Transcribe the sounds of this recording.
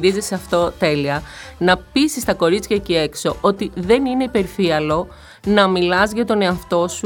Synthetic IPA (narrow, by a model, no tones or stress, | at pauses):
ɾizisɐft̪o̞t̪e̞liɐnɐpisist̪ɐko̞ɾit͡sçɐcie̞kso̞ʔo̞t̪iðe̞nine̞ipe̞ɾfiɐlo̞ | nɐmilɐzʝɐt̪o̞ne̞ɐft̪o̞su